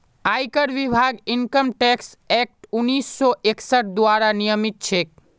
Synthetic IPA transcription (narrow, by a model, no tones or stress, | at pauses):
ajkəɾʋibʱaɡiŋkəmʈɛks | ɛk̚ʈunːisːɔʔeksəʈ̚d̪waɾanijəmik̪̚t͡ʃʰek